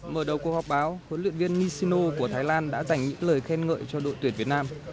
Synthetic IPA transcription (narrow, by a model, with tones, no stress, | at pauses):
məː˧˩ɗə˨˩wku˨˩ək̚hɔ˨˩k͡p̚ɓaː˨˦whə˨˦nlwḭ˧˨ənvi˧ənːi˧si˧no˧ku˧˩ət̪ʰaː˨˦jlaː˧nɗa̰ː˧˥za˨˩jŋ̟ɲɨ̰˧˥ŋləː˨˩jxɛ˧nŋə̰ː˧˨jt͡ɕɔ˧ɗo̰˧˨t̪wi˧˩ənvi˨˩ət̚naː˧m